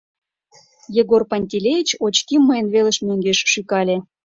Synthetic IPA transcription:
jeɣorpanʲt̪ʲilʲejit͡ɕot͡ɕkimːɤjənβelə̆ʃmøŋɡeʃʃykɑlʲe

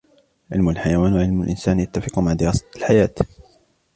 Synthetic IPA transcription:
ʕɪ̰lmʊlħajawaːnwaʕɪlmʊlʔɪ̰nsaːnjat̪ːafɪqʊmaʕd̪ɪɾɑːsˤɑ̥lħajaːt̪

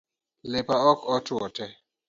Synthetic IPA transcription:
lepaɔkɔtɔtɛ

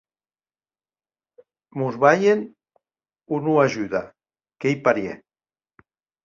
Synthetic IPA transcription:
muzβajen | unuaʒyða | kejpaɾjḛ

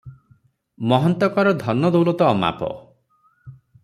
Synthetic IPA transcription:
mɔɦɔnt̪ɔkɔɾɔd̪ʱɔnːɔd̪owlɔt̪ɔːma̰pɔ̰

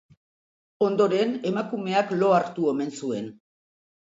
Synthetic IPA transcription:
o̞nd̪o̞ɾe̞ne̞makume̞aklo̞aɾt̪ue̞me̞nsue̞n

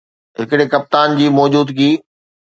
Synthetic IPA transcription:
ɦɪkɪɽekɐp̚t̪aːnd͡ʑiːmɔːd͡ʑuːd̪kiː

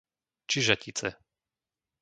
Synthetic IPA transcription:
t͡ʃiʒacit͡sɛ̰

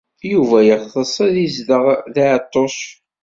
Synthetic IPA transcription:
juvæjəχðəsˤæðizdəʁðaʕt̪ˤːos

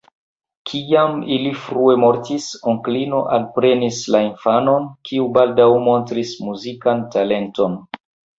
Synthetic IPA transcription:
kʰiamilifɾue̞mo̞ɾtisoŋklino̞ʔalpɾe̞nislainfano̞nkiubaldawmo̞ntɾismuzikantale̞nto̞n

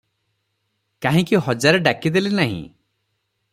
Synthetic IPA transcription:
kaɦĩkiɦɔd͡ʒaɾeɖakid̪elinaɦḭ̃

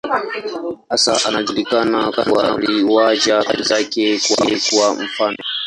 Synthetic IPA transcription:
ʔasa̰ʔanazulikanaka̰ɾwa̰ɾiwad͡ʒaka̰ɾizakʲekuekuwam̩faːno

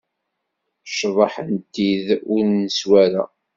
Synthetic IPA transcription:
ʃvˤɑħənt̪ːiðʊɾnəswæɾa̰

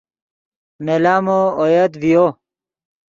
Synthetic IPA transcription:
nelaːmoojɐt̪vijo

